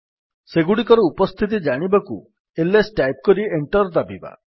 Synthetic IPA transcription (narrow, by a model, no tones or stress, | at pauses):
seɡuɽikɔɾɔupɔst̪ʰit̪̬id͡ʒaɽ̃ibakṵ | elesʈajp̚kɔɾieɳʈɔɾd̪abiba̰